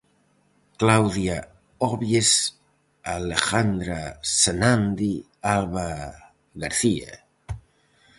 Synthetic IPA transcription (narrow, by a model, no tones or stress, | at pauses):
klawðja | oβjes | alexand̪ɾasenand̪i | aβa | ɣaɾθia̰